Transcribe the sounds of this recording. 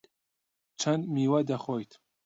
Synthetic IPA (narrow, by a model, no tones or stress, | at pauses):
t͡ʃʰɐnd̪miːwɐd̪ɐxoːjt̪